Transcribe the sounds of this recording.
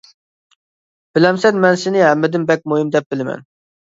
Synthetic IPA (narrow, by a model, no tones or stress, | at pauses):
b̥ɪlɛmsɛnmɛnsɪnɪɦɛmːɪd̪ɪmbɛk̚ʲmoɦimd̪ɛp̚b̥ɪlɪmɛ̰n